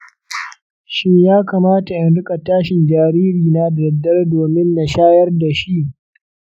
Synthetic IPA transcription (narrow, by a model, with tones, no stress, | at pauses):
ʃɪ˦ɲjaː˦kaː˨maː˦ta˨jɐ˨nɽʊ˦kʼa˨taː˦ʃɪ˨nd͡ʒaː˨ɾiː˦ɾiː˨na˦dɐ˨dːɐ˦rdoː˨mɪ˦nːa˨ʃaː˦jɐ˦rda˨ʃi˦ʔ